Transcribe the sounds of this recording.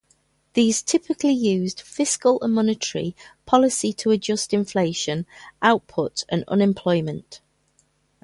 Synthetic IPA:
ðiːz̥tʰɪpɪkʰlɪjʉːzd̥fɪskələ̰̃mɒnɪtʰəɹḭpʰɒlɪsɪtʰəəd͡ʒʊstɪ̃ɱfleɪʃə̃nʔaʊʔpʰʊtə̃nə̰̃nɛ̃mpʰl̥ɔɪmə̃nt

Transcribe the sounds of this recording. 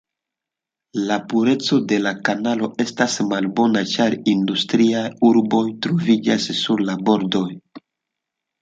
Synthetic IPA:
lapuɾe̞t͡so̞de̞lakanalo̞ʔe̞stasmalbo̞nat͡ʃaɾindustɾiajuɾbo̞jtɾovid͡ʒa̰sːuɾlabo̞ɾdo̞j

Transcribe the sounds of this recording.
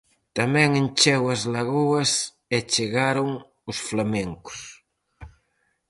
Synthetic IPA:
t̪amɛ̃ŋent͡ʃɛwɐzlaɣuɐs | et͡ʃeɣaɾʊŋ | ʊsflameŋkʊ̥s

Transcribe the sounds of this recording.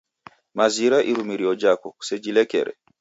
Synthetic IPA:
maziɾaʔiɾumiɾiɔd͡ʒakɔsɛd͡ʒilɛkɛ̰ɾɛ̰

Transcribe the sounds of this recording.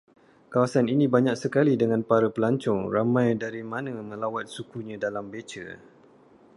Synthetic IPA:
kawasaninĩbaɲãk̚səkalidəŋãnpaɾapəlaɲt͡ʃɔŋramãjdaɾimãnə̃mə̃lawat̪̚sukuɲãdalambet͡ʃə̰

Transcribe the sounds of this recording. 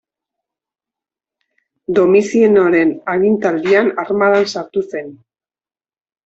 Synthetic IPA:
d̪o̞misienoɾe̞naɣint̪ald̪ianarmaðansaɾt̪use̞n

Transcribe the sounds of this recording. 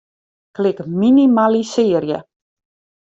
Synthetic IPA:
klɪkminimalisɪːərjə̰

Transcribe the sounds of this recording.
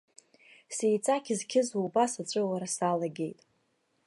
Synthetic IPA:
sejt͡sʼakʲʰizkʲʰɪzubasat͡ɕʷʼɨlaɾasalaɡʲe̞jtʼ

